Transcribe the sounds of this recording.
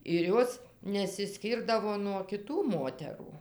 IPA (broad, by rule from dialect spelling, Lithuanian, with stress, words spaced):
ɪr ˈjoːs nʲɛsʲɪˈsʲkʲiːrdɐʋoː nuɔ kʲɪˈtuː ˈmoːtʲɛruː